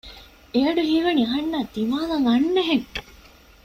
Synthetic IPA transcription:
eɐɖuɦiːʋɐniɐɦɐnːaːd̪iʋaːlɐŋɐnːeɦeŋ

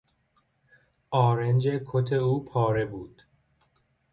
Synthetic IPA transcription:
ʔɒːɾend͡ʒe̞kʰot̪ʰeuːpʰɒːɾe̞buːd̪̥

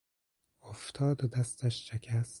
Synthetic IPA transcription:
oft̪ʰɒːd̪od̪æst̪æʃʃekʰæst̪

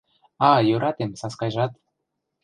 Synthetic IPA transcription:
ɑjøɾʔɑt̪emsɑskɑjʒɑt̪

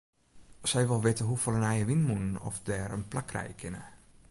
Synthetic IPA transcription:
sɛjʋɪlˠʋɪtəɦufɔlənɛjəʋinmunənɔ̰fdɛːɾənplakʰrɛ̰jkʰɪnə

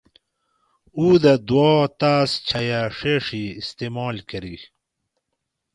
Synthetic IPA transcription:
uːd̪ɐd̪wɔːt̪aːst͡ɕʰɐjaʂeːʂiːst̪eːmaːlkɐɾi

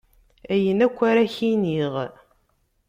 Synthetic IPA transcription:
æjənækʷːaɾaçiniʁ

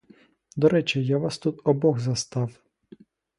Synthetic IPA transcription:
d̪ɔɾɛt͡ʃɛjaʋɑst̪ut̪ɔbɔɣzɐst̪ɑw

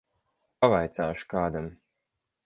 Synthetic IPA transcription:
pavajt̪saːʃu̥kaːd̪am

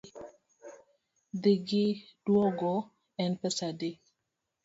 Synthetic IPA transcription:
d̪iɡɪd̥wɔɡɔ | ɛnpɛsadɪ

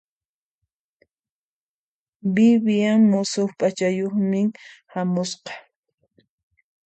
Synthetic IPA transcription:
bɪβjaŋmosoxpʼat͡ʃajoχmɪhamʊsqɑ̥

